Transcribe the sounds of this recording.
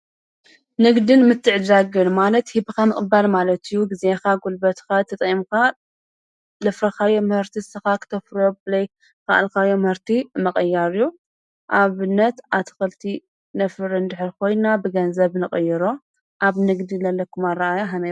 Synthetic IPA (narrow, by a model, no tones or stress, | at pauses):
nɨɡd̪ɨnmɨt̪ʰːɨʕɨd͡ʒ̪aɡɨnmalɐt̪hibɨkamɨkʼɨbalmalɐt̪ʰijːuɡizexaɡulbɐt̪kat̪ʰɐt̪ʼimka | lɐfɾɐxajomɨhɨɾt̪ʰisɨxakʰɨ̥t̪ʰɐfɾobɨlɐj | ka̰ʔa̰lkajomɨhɨɾt̪ʰimɐkʼɐjːaɾju | ʔaβɨnːɐt̪at̪ʰɨ̥xɐlt̪ʰi | nɐfɨɾɨnd̪ɨħɨɾkʰo̞jnabɨɡɐnzɐβnɨχʼɐjːɾo | ʔaβnɨɡd̪ilɐlːɐkʰːumarːaʔajaɦɐmeɾ